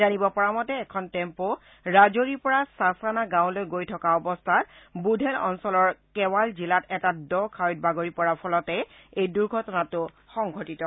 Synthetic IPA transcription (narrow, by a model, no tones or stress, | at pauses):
anibɔpɔɹamɔtɛːkʰɔntɛmpo | ɹazoɹipɔɹasasanaɡãw̃lojɡojtʰɔkaɔbɔstʰatbudʱɛlɔ̰nsɔlɔɹkɛwalzilatɛtadɔkʰawjt̚baɡoɹipɔɹapʰɔlɔtɛ | ejduɹɡʱɔtɔnatʊ | xɔŋɡʱɔtitɔ